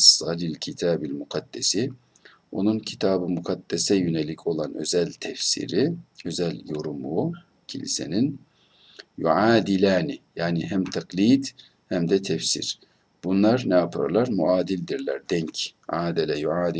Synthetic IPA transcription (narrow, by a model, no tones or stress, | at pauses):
sːɑlilʲcʰit̪ʰaːbilʲmuqʰad̪̥ːɛsi | o̞̰nuncʰi̥t̪ʰaːbɯmuqʰad̪̥ːɛsɛjønelʲicʰo̞lˠanø̞̰zælʲt̪ʰɛfsḭɾiø̞zælʲjo̞ɾumuː | cʰḭlḭse̞̰nin | jṵʕaːd̪ilʲaːnijaːniɦæmt̪ʰaqliːd̪ | hæmd̪ɛt̪ʰɛfsḭɾ̥ | b̥unlˠaɾnɛapʰa̰ɾlˠaɾmuʔaːd̪ilʲd̪iɾlʲæɾd̪ɛɲcʕaːd̪ɛlʲɛjuʕaːd̪i